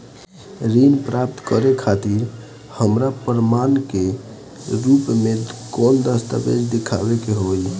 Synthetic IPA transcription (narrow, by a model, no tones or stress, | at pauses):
ɾinpɾap̚t̪kəɾekʰat̪iɾ | həmɾapəɾmanke | ɾupmekond̪əst̪a̰bḛd͡ʒd̪ekʰa̰bekeɦoj